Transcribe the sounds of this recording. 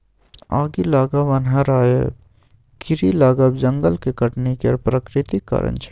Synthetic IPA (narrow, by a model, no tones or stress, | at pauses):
aːɡilaːɡɐbɐnɦɐɾaːjḛ | kɪɾilaːɡəbd͡ʒɐŋɡəlkekɐʈnekiɐɾpɾɐkɾɪt̪ikːɐ̰ɾə̰̃nt͡ʃ